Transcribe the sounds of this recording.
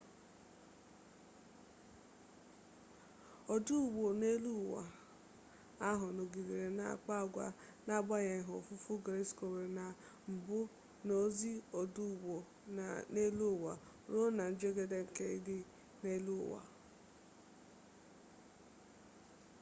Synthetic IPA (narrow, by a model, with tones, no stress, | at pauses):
o˨du˦˨wo˨ne˦lu˦˨wa̰˨ | a˦ɦʊ˨no˨ɡi˨ɾi˨ɾe˨na̰˦˨k͡pa˦˨ɡʷa̰˦ | na˦˨ɡ͡ba˦ɲe˨ɦo˨fʊ˦fu˦ɡɾe˦sko˨ɾe˨na˨ | m̩˨bʊ˦ | no˦zi˦o˨du˦˨wo˨ | ne˦lu˦˨wa̰˨ | ɾo˦na˨n̩˦d͡ʒe˦ɡe˦de˦ŋ̩˨ke˦i˦dɪ˦ | ne˦lṵ˦˨wa̰˨